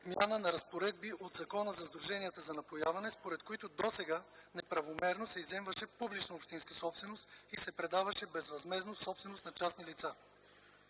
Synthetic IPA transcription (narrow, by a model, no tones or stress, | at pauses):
mja̰nənɐɾɐspoɾɛd̪̚biʔod̪zɐkɔnəzɐzd̪ɾuʒɛniət̪əzɐnɐpojavɐnɛspoɾɛt̪̚koit̪ʊd̪osɛɡanɛpɾɐvomɛɾnosɛizɛmvəʃɛpublit͡ʃnɐopʃt̪inskəsɔpsvɛnost̪isɛpɾɛd̪avɐʃɛbɛzvɐzmɛznosɔpsvɛnost̪nɐt͡ʃasnilit̪sa